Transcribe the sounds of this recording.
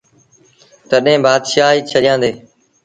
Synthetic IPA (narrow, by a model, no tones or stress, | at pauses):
t̪əɗɦẽːbaːd̪ʃaːɦiːt͡ʃʰəɗɪjãːnd̪eː